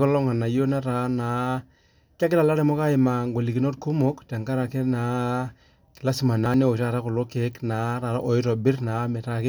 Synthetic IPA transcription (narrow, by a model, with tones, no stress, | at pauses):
kɔ˦lɔ˦ŋa˨na˨ji˦o˦na˦ɾa˨˦na˨ | ka˦kɪ˦la˨la˦ɾɛ˨mɔ˦ka˦ɪ˨ma˨ŋɡo˨li˨ki˨no˦tku˦mo˦kta˨ŋka˦ɾa˨ke˦na˨ | kɪ˨la˦si˨ma˨na˨˦ne˦o˨ta˨ɾa˦kʊ˨lo˦ke˨˦kna˨ɾa˨ɾa˦ʔo˨ɪ˦ɾɔ˨bɪ˦ɾna˨˦mɛ˨ta˦kɪ˦